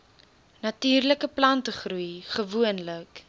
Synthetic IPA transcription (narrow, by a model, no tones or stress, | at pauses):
nɐtyːrləkəplɐntəχrujχəvuənlək